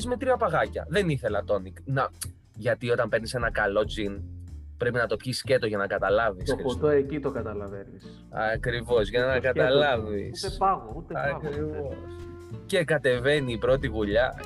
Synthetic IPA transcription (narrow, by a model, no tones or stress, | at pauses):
zme̞t̪ɾiɐpɐɣɐcɐ̰ðe̞niθe̞lɐt̪o̞niknɐ | ʝɐt̪io̞t̪ɐmpe̞ɾnisenɐkɐlo̞d͡zinpɾe̞pinɐt̪o̞pçiscet̪oʝɐnɐkɐt̪ɐlɐvisopod̪oecit̪okɐt̪ɐlɐvenis | ɐkɾivo̞zʝɐnɐkɐt̪ɐlɐvḭsɐɣot̪eɐkɾivos | ce̞kɐt̪e̞ve̞niːpɾo̞t̪iɣuʎɐ